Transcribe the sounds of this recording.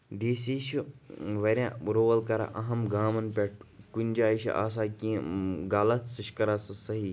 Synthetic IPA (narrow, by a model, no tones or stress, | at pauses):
d̪iːsiːʃiʋɐɾʲjã̰ːɾoːʋɐlkɐɾa̰ʔɐɦɐmɡaːmɐnpʲɐʈ̚kunʲd͡ʒaːiʃḭʔa̰ːs̬aːkĩɡaːlɐt̪sɨʃkɐɾasɨsɐɦiː